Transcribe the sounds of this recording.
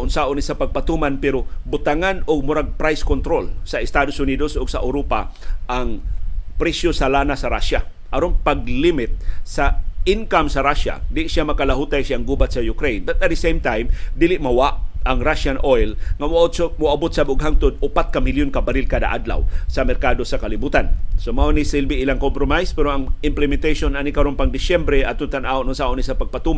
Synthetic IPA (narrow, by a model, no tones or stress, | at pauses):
ʔʊnsaʔʊnisapaɡ̚pat̪umanpɛɾobʊt̪aŋanʊɡ̚mʊɾaɡ̚pɾajskont̪ɾolsaɪst̪ad̪osʊnid̪osʔʊɡsaʔawɾopa̰ʔaŋpɾɛsjosalanasaɾaʃa | ʔaɾonpaɡ̚limɪt̪̚saɪnkamsaɾaʃa̰d̪ɪʔʃjamakalaɦut̪ajsjaaŋɡubat̪̚sajʊkɾejnbat̪̚at̪̚d̪əsejmt̪ajmd̪ilɪʔmawaʔaŋɾaʃanʔojlŋamʊaʔot̪somʊabot̪̚sabʊɡɦaŋt̪ʊd̪̚ʊpat̪̚kamɪljʊnkabaɾɪlkad̪a̰ʔa̰d̪la̰wsɐmɛɾkad̪osakalibut̪ansomaonisɪlbiilaŋkompɾomajspɛɾoaŋɪmplɪmɛnt̪ajʃonanikaɾonpaŋd̪ɪsɛmbɾɛʔat̪ʊnt̪anaonʊnsaʔʊnisapaɡ̚pat̪uma